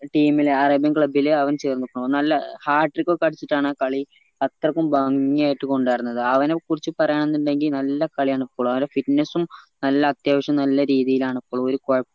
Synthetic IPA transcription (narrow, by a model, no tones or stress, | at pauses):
ʈiːmileɐrɐbjɐnkɭɐbilɐʋɐnt͡ɕeːrnːukːoɭːnɐlːɐhaːʈːrikːokɐɽit͡ɕːiʈːaːɳɨkɐɭi | ɐt̪rɐkːumbaːŋɡiŋaːjiʈːɨko̞ɳɖaːjiɾunːɐðɨɐʋɐnekurit͡ɕːɨpɐrɐjaːɳenːuɳɖe̞ŋɡilnɐlːɐkɐɭijaːɳipːoːɭuɐʋɐnɖefiʈnesumnɐlːɐːt̪jaːʋɐɕɐmnɐlːɐɾiːðijilaːɳipːoːɭuo̞ɾukoɻɐpː